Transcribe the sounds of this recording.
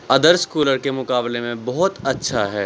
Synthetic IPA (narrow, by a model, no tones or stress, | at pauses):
ɐd̪əɾskuːləɾkemʊkaːblemẽbɔɦʊt̪ɐtːʃʰaɦɛː